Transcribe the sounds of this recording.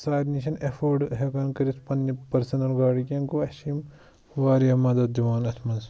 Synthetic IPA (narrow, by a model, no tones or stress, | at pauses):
saːjɾniʃ̬ɐnefoːɖɦekɐnkɐɾit̪pɐnːipɐɾsɐnɐlɡaːɽikɐŋkuɐʃim | ʋaːɾijɐmɐd̪ɐd̪iʋaːnɐt̪ʰmɐns